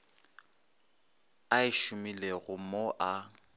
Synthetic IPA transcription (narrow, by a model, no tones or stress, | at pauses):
aɪʃʊmileɣʊmoʔa